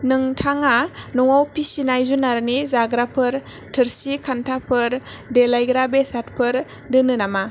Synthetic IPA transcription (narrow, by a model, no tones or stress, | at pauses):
nɯŋtʰaŋanuŋawpisinajzunaɾnizaɡɾapʰɯɾ | tʰɯɾsikʰantʰapʰɯɾdelajɡɾabesat̚pʰɯɾ | dɯnɯnama